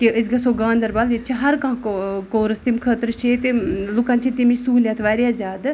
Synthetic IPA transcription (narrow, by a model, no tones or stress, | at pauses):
kiʔəsɡɐsoɡãːnd̪ɐɾbaliɾt͡ʃʰiɦɐɾkãːkoːɾɨst̪imkʰəːt̪ɾt͡ʃʰeːt̪elʊkant͡ʃʰit̪imisuːlʲjat̪ʰʋaːɾjaːzaːd̪